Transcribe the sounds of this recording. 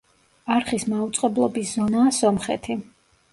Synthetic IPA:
aɾχismaut̪sʼqʼɛblˠɔbiszɔnaːsɔmχɛ̰t̪ʰi

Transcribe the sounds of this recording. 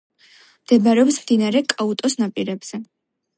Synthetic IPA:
md̪̥ɛbaɾɛɔpsmd̪inaɾɛkʼaut̪ʼɔsnapʼiɾɛbz̥ɛ

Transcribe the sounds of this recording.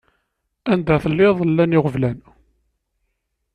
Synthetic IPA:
ænd̪æθəlːɪðˤəlːænɪʁəvlæn

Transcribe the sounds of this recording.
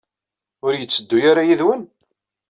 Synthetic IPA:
ʊɾjət͡sːəd̪ːʊjaɾajiðwən

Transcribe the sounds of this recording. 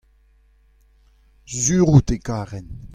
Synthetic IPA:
zyːʁut̪ekaːʁɛn

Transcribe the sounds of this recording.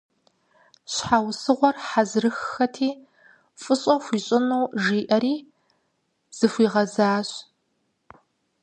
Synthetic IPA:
ɕħaːwsɨʁʷɔrħazrɨxɐtʰiː | fʼɨɕʼɐxʷiːɕʼɪnuwʒiːʔɐɾiː | z̥ɨxʷiːʁɐzaːɕ

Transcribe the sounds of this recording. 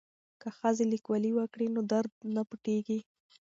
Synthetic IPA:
kəxəzelikwaliwəkɽinod̪aɾd̪̚napəʈeɡi

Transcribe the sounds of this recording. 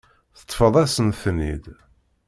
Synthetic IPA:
θə̥t̪ˤːfəðˤæsənθnid̪

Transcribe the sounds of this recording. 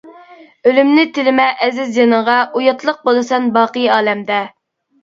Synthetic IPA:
ølymnɪt̪ʰɪlɪmɛʔɛzɪzjenəʁɑʔujɑt̪lˠəq̚bolˠɨsɑnbɑːqəjɑːlɛmd̪ɛ

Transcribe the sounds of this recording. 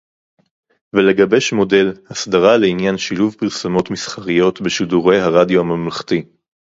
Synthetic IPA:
vele̞ɡabe̞ʃmo̞de̞lhasdaʁaleinjanʃiluvpiʁsamo̞tmisχaʁijo̞tbeʃiduʁe̞jɦaʁadjoamamlaχt̪i

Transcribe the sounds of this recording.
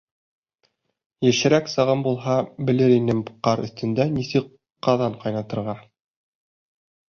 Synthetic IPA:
jɘ̆ʃɘ̆ɾæksɤ̆ʁɤmbulˠɦɑbɘ̆lɘɾinɘmqɑɾɵ̰̆θt̪ɘ̆nd̪ænisɘk | qːɑðɑɴqɑjnɑt̪ɤ̆ɾʁɑ

